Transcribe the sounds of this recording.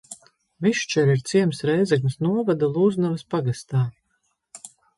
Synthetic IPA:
viʃt͡ʃɛɾiɾt̪siɛmsɾɛjzɛk̬mʲsnuɔvad̪alˠuːznavɐspaɡast̪aː

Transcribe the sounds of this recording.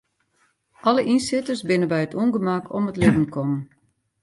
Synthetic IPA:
ʔɔləʔinsɪtərsbɪnəbɛjətʰunɡəmakʰɔ̰mətlɪdən̩kʰɔmən

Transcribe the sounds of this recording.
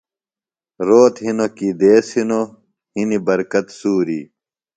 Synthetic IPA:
ɾoːt̪hinokid̪eːshino | hinibɐɾkɐt̪suːɾḭ

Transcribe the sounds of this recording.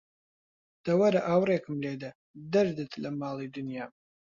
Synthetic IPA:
d̪̥ɐwɐɾɐʔaːwreːkɨmled̪ɐ | d̪ɐɾd̪ɨt̪lɐmaːlˠid̪ɨnjaːm

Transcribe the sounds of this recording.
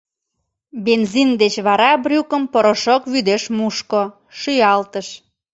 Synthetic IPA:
benzind̪et͡ɕβɑɾɑbrʲukə̆mpoɾoʃokβyd̪eʃmuʃko | ʃyjɑlt̪əʃ

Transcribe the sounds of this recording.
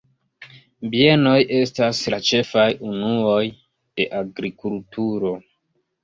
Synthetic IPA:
bie̞no̞jʔe̞staslat͡ʃe̞fajunuo̞j | d̥e̞ʔaɡɾikultuɾo̞

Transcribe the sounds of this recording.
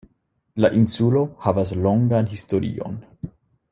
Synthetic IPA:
laʔinsulo̞havas̬loŋɡanɦistoɾḭo̞̰n

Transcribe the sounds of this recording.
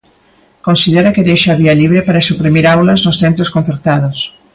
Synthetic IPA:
konsiðeɾakeðejʃaaβialiβɾepaɾasupɾimiɾawlɐznʊsθent̪ɾoskõnθeɾt̪að̞os

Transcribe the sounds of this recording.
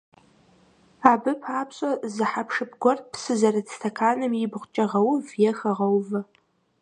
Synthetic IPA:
abɨpʰaːpʰɕʼɐzɨħapʰʂɨpʰɡʷɔrt̚pʰsɨzɐrɨtstʰɐkʰaːnɨmibʁʷt͡ʃʼɐʁɐwvjɛxɐʁɐwvɐ

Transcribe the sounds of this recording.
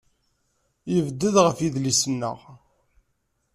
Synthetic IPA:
jəvd̪ːəðʁəfiðlisənːə̰ʁ

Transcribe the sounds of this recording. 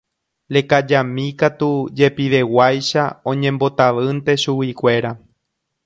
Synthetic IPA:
lekad͡ʒamĩkat̪ud͡ʒe̞piʋe̞wajʃa̰õ̞ɲẽ̞mbo̞t̪aʋɨnt̪e̞ʃuwikʷe̞ɾa

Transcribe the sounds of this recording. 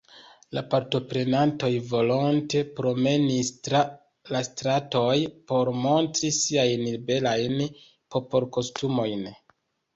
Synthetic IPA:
lapaɾto̞pɾe̞nanto̞jvo̞lonte̞pɾo̞me̞nis | lastɾato̞jpo̞ɾmo̞ntɾisiajnibe̞lajn | po̞po̞lko̞stumo̞jn

